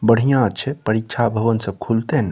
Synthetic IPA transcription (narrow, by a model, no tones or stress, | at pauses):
bəɽ̤ijãt͡ʃʰɛpəɾikːt͡ʃʰabʱəʋənsəb̚kʰult̪en